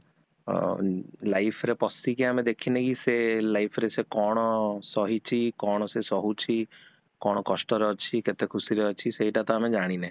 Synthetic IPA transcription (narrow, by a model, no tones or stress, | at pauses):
lajpʰɔɾepɔsikiamed̪ekʰinekiselajpʰɔɾesekɔɽ̃ɔsɔɦit͡ʃʰikɔɽ̃ɔsesɔɦut͡ʃʰi | kɔɽ̃ɔkɔsʈɔɾeɔt͡ʃʰiket̪ekʰusiɾeɔt͡ʃʰiseɦiʈat̪ɔamed͡ʒaɽ̃ine